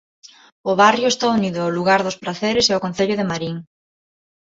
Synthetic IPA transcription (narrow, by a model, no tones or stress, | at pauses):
ʊβarjoest̪auniðʊoluɣaɾðʊspɾaθeɾeseokon̟θeʎoðemaɾiŋ